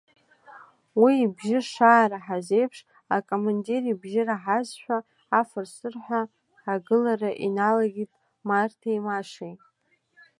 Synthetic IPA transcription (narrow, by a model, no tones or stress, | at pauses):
wiːbʒɪʂaːɾaħazejpʰʂ | akʼomanderibʒɪraħazʃʷᶣaː | fɨrsɨrħʷᶣa | aɡɨlaɾaʔinalaɡʲitʼ | martʰajmaʂejtʼ